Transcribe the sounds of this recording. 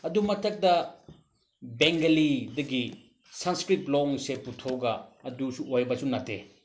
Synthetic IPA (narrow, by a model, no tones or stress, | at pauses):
ɐdumɐtʰɐk̚dɐ | beŋɡɐlidɐɡi | sɐnskɾiplɔŋseputʰowɡɐːdusuojbɐsunɐte